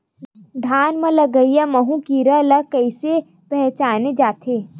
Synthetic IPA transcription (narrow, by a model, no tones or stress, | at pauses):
d̪ʱaːnmə̃lɐɡəijamɐɦũkiɾələkəɪse | pɛɦt͡ʃaːned͡ʒaːt̪ʰeː